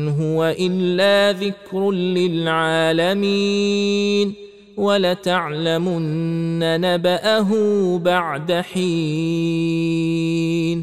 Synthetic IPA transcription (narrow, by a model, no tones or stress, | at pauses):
nɦʊwaʔɪlːaːðɪkɾlɪlʕaːlami | n | walat̪aʕlamʊnnnːanabaʔaɦʊbaʕd̪aħiː | n